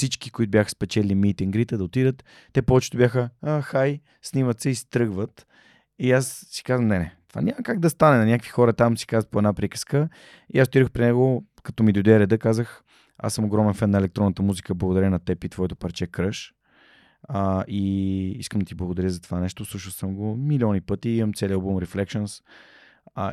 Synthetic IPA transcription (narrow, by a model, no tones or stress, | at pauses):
fsit͡ʃki̥koit̪objaxə̥spɛt͡ʃɛlʲimit̪iŋɡɾit̪ɛd̪ɐot̪id̪ət̪ː | ɛpɔɛt͡ʃɛ̥t̪obʲjaxəaxaj | snimət̪sɛist̪ɾɤɡvət̪ | iassi̥kazvəmnɛnɛt̪o̥va̰nʲaməkaɡ̚d̪ɐst̪anɛnɐnʲakvixɔɾət̪amsi̥kazəpoɛd̪napɾikə̥skə | iasot̪id̪əxpɾinɛɡo | kɐ̥t̪ɔmid̪od̪ɛəɾɛd̪əkazəx | a̰sːəmoɡɾɔmɛnfɛnːɐɛlɛk̚t̪ɾɔnət̪əmuzikəblˠəɡod̪ɐɾʲənɐt̪ɛpit̪vɔɛt̪o̥pɐɾt͡ʃɛkɾəʃ | əʔiiskəmd̪ɐt̪iblˠəɡod̪ɐɾʲjəzɐt̪o̥vanɛʃt̪oslˠuʃəlˠsəmɡomiliɔnipɤt̪iiməmt̪sɛliəlˠbumɾɛflɛkʃəns